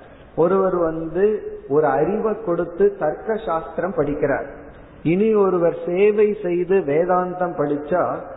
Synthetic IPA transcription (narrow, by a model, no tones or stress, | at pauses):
ɔɾɯʋɐɾʋɐnd̪ɯɔɾɯɐɾɪʋɐkːɔɽɯt̪ːɯt̪ɐɾkɐʃaːst̪ɪɾɐmpɐɽɪkːɪra̰ːɾ | ɪniɔɾɯʋɐɾseːʋɐɪsɛjðɯʋeːðaːnd̪ɐmpɐɽɯt͡ʃːaː